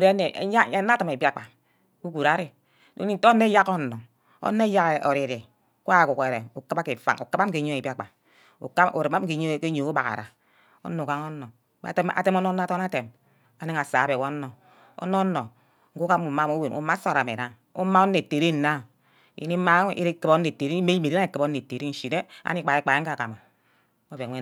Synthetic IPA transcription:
u˨ɾe˦ne˨˦na˦tɨ˨me˨bi˦a˦˨k͡pa˨ | u˦ɡu˨ɾa˦ɾe˨ | do˦ni˦n̩˦to˦nːe˦ja˦ko˦˨no˨ | o̰˦nːe˦ja˦ke˨o˨ɾi˨ɾi˨ | ka˦˨ku˨ke˨ɾe˨u˨ka˦ba˦ke˨fa̰˦ŋu˨ka˦ba˦m̩˦ki˨ɲo˦e˨bi˦a˦˨k͡pa˨ | ṵ˨ka˦ṵ˨ɾe˨ma˦ki˨˦ɲo˦˨ke˦ɲo˨u˦ba˨ka̰˨ɾa̰˨ | o̰˦nːo˨ka˦ŋo˦no˨ | ta̰˨te˦mo˦no˦n˦to˦na˦te˨m | a˨ne˦ŋa˨saː˨˦be˨wo˦no˨ | o̰˦no˦no˨ | ŋ̩˦ku˦ka˦u˨ma˦mo˦we˨nṵ˨˦ma˦sa˦˨ɾa˨me˨na˦ŋ | ṵ˦ma˦o˦n˦e˨te˨ɾi˦n̩˨na˦ | ḭ˨ni˦ma˦i˦ɾe˦kɨ˨bo˦e˨te˨ɾi˦me˦mi˨ɾi˦a˦e˨˦kɨ˨bo˦e˨te˨ɾi˦n̩˦ʃi˨ne˦a̰˦ni˦k͡pa˨i˨˦k͡pa˨e˦ŋ̩˦a˦˨ka˨ma˨ | o˦be˨˦e˦

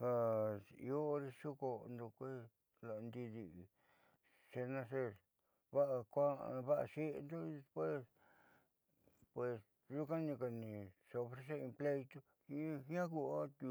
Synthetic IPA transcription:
ha˧ḭ˧o˦ɾe˧ʃu˦ko˧nd̪o˧kʷe˦ | la˨˧nd̪i˧ði˧ | se˧nã˧se˦˧ | βa˦ʔa˧kʷa˦˧βa˦ʔa̰˧ʃe˦ʔnd̪o˦˧e˧spwe˦s | pwe˧s | ʒu˦kã˦nĩ˧ka˧nĩ˧ʂe˧o˧fɾe˧s̬e˦ĩ˧mple˦˧it̪u˦ | i˦hã˦ku˧a˦t̪u˧

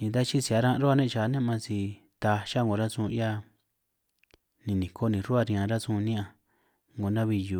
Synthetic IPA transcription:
nĩ˧t̪̬a˦t͡ʃi˦si˧˨a˨˧˦ɾã˦˧ɾo˦a˦˧nẽ˦˧t͡ʃa˨˦nẽ˦˧mã˧t͡ʃi˧ | t̪a˧ʃa˦ŋo˨ɾa˦sũ˧ja˦ | nĩ˧nĩ˨kʰo˦nĩ˧ɾu˦a˦˧ɾĩ˧˨ã˧ɾa˦sũ˦˧nĩ˦ã˧ | ŋɡo˨nã˦βi˧ju˧˨

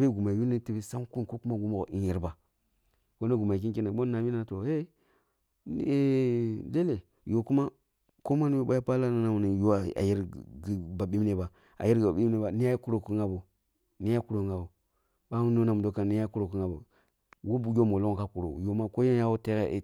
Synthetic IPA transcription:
be˦ɡu˨ma˨ju˦ni˦ti˦be˦sa˦ŋ˦ku˦n˨ko˦ku˦ma˦ɡu˦mo˨o̰˨i˦ji˨ɾba˨ | ko˦no˦ɡu˨ma˨k̬i˦ki˦na˨ɓo˦nː˦a˨mi˦na˦˨to˨e˦ | e˦le˦le˨ | jo˨ku˦ma˦ | ko˦ma˦ni˦jo˦ba˦ja˦pa˦la˦na˨na˨ni˨jo˦a˨a̰˨ji˦ɾɡi˨ba˨ɓi˦m˦ne˨ba˨ | a̰˨ji˦ɾɡba˨bi˦m˦ne˦ba˨ni˦a˦ku˦ɾo˨ku˦ŋa˦bo˨ | ni˦ja˦ku˦ɾo˨ŋɡa˨bo˨ | ɓa˦u˦no˦na˨mu˨do˦ka˨ni˦a˦ku˦ɾo˨ki˦ŋa˨bo̰˨ | wo˦bu˨jo˦mo˨lo˦ŋo˨ka˦ku˨ɾo̰˨jo˨ma˦ko˦je˦ja˦wo˦te˦ɣḛ˦˨

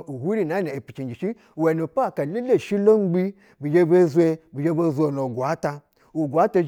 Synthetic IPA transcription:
u˨hu˦ɾi˦˨na˨˦ne˨e˨pi˨t͡ʃi˨nd͡ʒi˨ʃi˦˨ | we˨no˨pa˦˨ka˨le˦le˦˨ʃi˦lo˦ŋ͡mɡ͡bi˦ | bi˨d͡ʒe˦be˦zʷe˧bi˨d͡ʒe˦bo˦zʷo˨no˨ɡʷa˨˦ta˧ | u˨ɡʷa˨˦ta˧

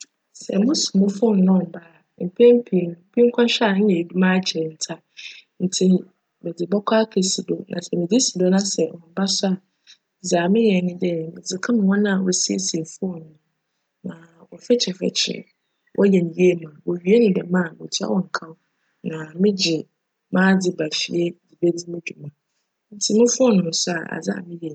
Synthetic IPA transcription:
sɛ̰˨mʊ̃˦sʊ˨mʊ̃˦fʊ˦n˨nʊ̃˦˨ba˦˨ | m̩˨pʰɛ̃˦m˦pʰi˨˦˨pʰi˦ŋ̩˦kʰʷã˦ɕᶣa˦˨˦jɛ˨du˦mã˦˨t͡ɕʰɛ˨n̩˨tʰa˦ | n̩˨tʰi˦ | bɛ˨dɪ˨bɔ˦kʰʷa˦kʰe˨si˨do˨nã̰˨sɛ˨mɪ̃˨dɪ˦si˨do˦nã˦sɛ˨wɔ˨m˨ba˦sʊ˦a˨ | zaː˨mɪ̃˦jɛ˨nɪ̃˦dɛ˨mɪ̃˨d͡zɪ˨kʰã˦mɪ̃˨wɔ̃˦nã˦˨wɔ̰˨si˦ḛ˦se˨fʊ˦ɔ˨nʊ̃˨ | nã˨wɔ˨fɛ˦t͡ɕʰɛ˨fɛ̰˨t͡ɕʰɪ̰˨ | wʔɔ˦jɛ˨nĩ˨ji˦e˦mã˨wɔ˨ɥi˨˦e˦nʊ̃˦dɛ˨mã˦a˨mʊ̃˨tʰɪ˦a̰˦wɔ˨ŋ̩˨kʰã˦ | nã˨mɪ̃˦d͡ʑɪ˨ | mãː˦d͡zɪ˦ba˨fi˨ɛ˦di˨be˦d͡zi˦mɪ̃˦d͡ʑᶣu˨mã˨ | n̩˨tʰi˦mʊ̃˦fʊ˦ɔ˦nʊ̃˨nʊ̃˨sʊ˦a̰˨a̰˨za̰˦˨mɪ̃˦jɛ˨

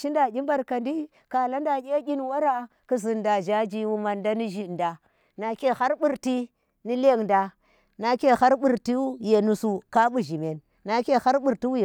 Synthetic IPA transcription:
ʃi˦nda˨ɡʲi˦mba˦ɾka˨ndi˦ | ka˨la˦nda˨kʲe˦ɡʲi˦nwa˦ɾa˦ | ku˦zi˨nda˨d͡ʒa˦d͡ʒi˦wu˦ma˨nda˦ni˦ʒi˨nda˨ | na˨kʲe˦˨ha˦ɾɓu˦ɾti˦ | ni˦le˦˨ŋda˨ | na˦kʲe˦ha˦ɾɓu˨ɾti˦wu˦je˨nu˨su˨ka˦ɓu˦ʒi˨me˨nː | a˦kʲe˦ha˦ɾɓu˦ɾti˦wu˦je˨

